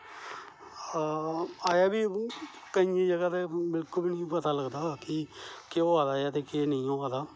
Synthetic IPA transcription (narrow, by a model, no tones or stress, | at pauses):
aːjaːbiː | kəĩẽːd͡ʒəɡaːt̪eːbɪlklbinĩpət̪aːləɡd̪aːkɪkeoːaːd̪aːjaːt̪eːkeːnəĩːoːaːd̪aː